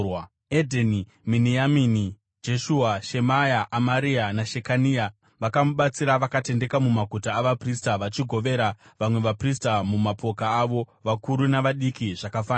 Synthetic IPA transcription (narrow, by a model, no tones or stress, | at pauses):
edʱeni | minijamini | d͡ʒe̞ʃuaʃemajaʔːmaɾianaʃe̞kania | ʋakamuɓat͡siɾaʋakate̞nde̞kamumaɡʱutaːʋapristaʋat͡ʃiɡʱo̞ʋe̞ɾaʋamwe̞ʋapristamumapo̞kaːʋo̞ʋakuɾunaʋaɗikiʐakafaːna